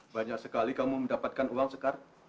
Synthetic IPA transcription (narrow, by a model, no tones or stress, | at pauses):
baɲak̚səkalikamuməndapat̪̚kanuwaŋsəkar